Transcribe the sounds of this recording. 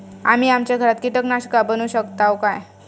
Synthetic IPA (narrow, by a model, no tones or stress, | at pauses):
am̤iːamt͡ɕjaɡʱəɾat̪kiʈəknaɕkabənuɕəkt̪awkaj